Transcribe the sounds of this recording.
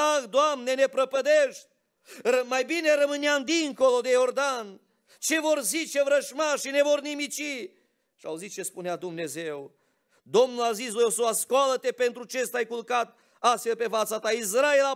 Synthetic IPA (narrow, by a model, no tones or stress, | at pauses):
akd̪oamne̞ne̞pɾəpəd̪eʃt̪̚ʲ | rəmajbine̞ɾəmɨneamd̪iŋko̞lo̞d̪e̞jo̞rd̪an | t͡ʃe̞vo̞rzit͡ʃe̞vɾəʃmaʃʃine̞vo̞rnimit͡ʃi | ʃia̰uzit̪̚t͡ʃe̞spunead̪umne̞ze̞w | d̪o̞mnulazisvojosoaskoalət̪e̞pe̞nt̪ɾut͡ʃe̞st̪ajkulkat̪ | ast̪fe̞lpe̞fat̪sat̪ais̬ɾae̞la